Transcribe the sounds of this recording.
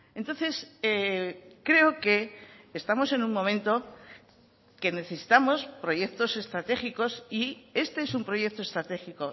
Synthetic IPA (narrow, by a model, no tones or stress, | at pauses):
e̞nt̪o̞nθe̞sekɾe̞oke̞ːst̪amo̞se̞nuŋmõ̞mẽnt̪o̞ | ke̞ne̞θe̞si̥t̪amo̞spɾo̞ʝe̞kt̪o̞se̞st̪ɾat̪e̞xiko̞sie̞st̪e̞esumpɾo̞je̞k̚t̪ost̪ɾat̪e̞xiko̞